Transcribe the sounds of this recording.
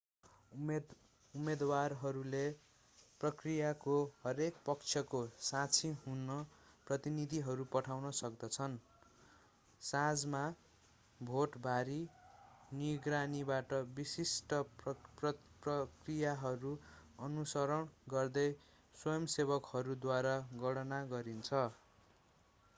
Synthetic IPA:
umed̪warɦʌɾule | prʌkrijakohʌɾekpʌkt͡sʰjʌkosãt͡sʰiɦunːʌ | prʌt̪inid̪ʱiɦʌɾupʌʈʰawnʌsʌkd̪ʌt͡sʰʌn | sãd͡zma | bʱoʈbʱaɾi | niɡranibaʈʌbisisʈʌprʌprʌkrijaɦʌɾuʌnusʌɾʌɳɡʌrd̪ʌj | swʌjʌmseβʌkhʌɾud̪waɾaɡʌɽʌnaɡʌɾint͡sʰʌ

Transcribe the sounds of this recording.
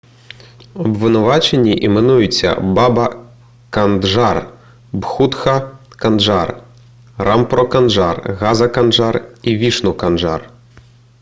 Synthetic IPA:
ɐbvɨnʊvat͡ʃenʲːiʔimɛnujʊt͡sʲːɐ̰babɐ | kanʐar | bxut̪xɐ | kanʐar | rampɾɔkanʐarɣazɐkanʐarivʲiʂnukanʐa̰r

